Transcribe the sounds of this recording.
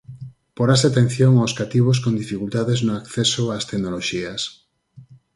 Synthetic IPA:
poɾaseat̪ẽn̟θjoŋawskat̪iβ̞os̬kond̪ifikult̪aðeznʊakθesoast̪eɡnoloʃias

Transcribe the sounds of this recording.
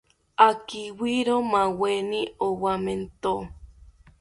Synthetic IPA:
akiwiɾomaweniowament̪o

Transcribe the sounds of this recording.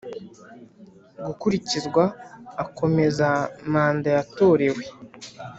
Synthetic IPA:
ɡukuɾicizɡwaːkʰo̞me̞zamaːndajato̞ːɾe̞we̞

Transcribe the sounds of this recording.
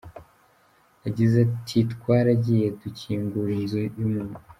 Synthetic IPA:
aɟizatʰitkwaːɾaɟijetuciːŋɡuɾinzujumu

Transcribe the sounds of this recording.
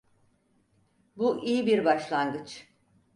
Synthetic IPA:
buʔijibiɾbaʃlˠanɡɯt͡ʃ

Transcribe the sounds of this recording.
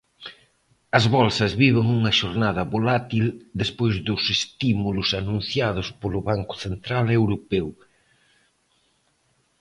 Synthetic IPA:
ɐzβɔlsɐzβiβ̞eŋuŋɐʃoɾnaðɐβolat̪ild̪espojzðʊsest̪imulʊsanũn̟θjað̞ʊspolʊβaŋkʊ̥θent̪ɾalewɾopew

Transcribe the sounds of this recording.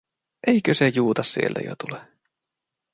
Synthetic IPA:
ʔejkøsejuːt̪ɑssḭelt̪æ̰jo̰t̪ule

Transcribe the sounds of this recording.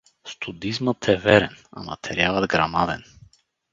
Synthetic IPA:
st̪ud̪izmət̪ʰɛvɛɾɛna̰ma̰t̪ʰɛɾialˠɐd̪ɡɾamad̪ɛ̰n

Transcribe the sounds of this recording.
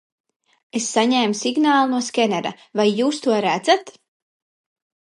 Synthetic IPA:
esːaɲɛːmsiɡnaːlˠnuɔskʲɛnɛɾa̰ | vajːuːst̪uɔɾæd̪zat̪

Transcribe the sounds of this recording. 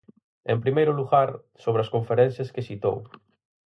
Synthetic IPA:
ḛmpɾimejɾʊluɣaɾ | soβɾeɐskõɱfeɾɛn̟θjaskesit̪o̰w

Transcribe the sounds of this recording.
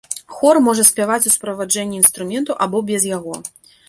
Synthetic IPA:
xɔrmɔʐɐsʲpʲjavat͡sʲuspɾɐvad͡ʐɛnʲːiinst̪ɾumʲɛnt̪uʔabɔbʲɛzjaɣɔ

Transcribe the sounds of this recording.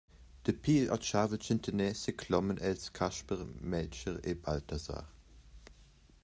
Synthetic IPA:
d̪̥əpʰiːlɔ̰tʃaːvəlt͡ʃɪntʰənɛːsəkʰlɔmənʔɛlskʰaʃpəʁmɛlt͡ʃəʁebaltʰaza̰ːʁ

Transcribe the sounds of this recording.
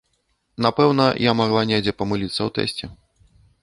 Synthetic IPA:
napɛwnɐjamaɣlˠanʲɛd͡zʲɛpɐmɨlʲit̪sːɐwt̪ɛ̰sʲt͡sʲɛ

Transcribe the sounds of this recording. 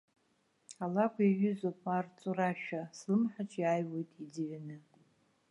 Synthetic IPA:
alakʷʰʼiɥʏzopʼart͡sʼuraʃᶣaslɨmħat͡ʃʰʼjaːjwe̞jtʼid͡zɨɥanɨ

